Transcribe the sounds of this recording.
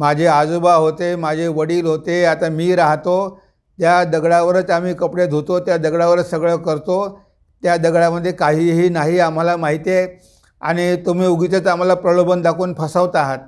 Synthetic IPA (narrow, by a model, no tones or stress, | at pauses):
mad͡ʑʱead͡zobaɦot̪emad͡ʑʱeʋəɽiːlɦot̪eat̪amiːɾaɦt̪o | t̪jad̪əɡɽaʋəɾət͡sam̤iːkəpɽed̪ʱot̪ot̪jad̪əɡɽaʋəɾət͡ssəɡɭəkəɾt̪o | t̪jad̪əɡɭaməd̪ʱːjekaɦiːɦiːnaɦiam̤alamaɦit̪e | a̰ɽ̃it̪um̤iːuɡit̪ət̪am̤alapɾəɭobənd̪akuːnpʰəsaʋt̪aɦat̪̚